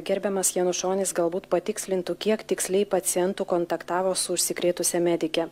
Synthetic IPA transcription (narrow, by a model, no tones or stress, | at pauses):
ɡʲɛɾʲbʲɛmɐsjiɛnʊʃoːnʲɪsɡɐlˠbuːt̪pɐt̪ʲɪksʲlʲɪnt̪ʊkʲiɛkt̪ʲɪksʲlʲɛɪpɐt̪sʲɪjɛnt̪ʊkɔnt̪ɐkt̪ɑːʋoːsʊʊʃʲsʲɪkɾʲeːt̪ʊsʲɛmʲɛd̪ʲɪkʲɛ